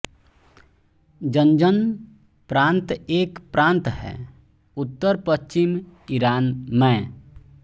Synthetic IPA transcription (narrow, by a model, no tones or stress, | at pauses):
d͡ʒənd͡ʒən | pɾãːnt̪eːkpɾãːnt̪ɦɛ̰ː | ʊt̪ːəɾpəʃt͡ʃɪmiɾaːnmɛ̃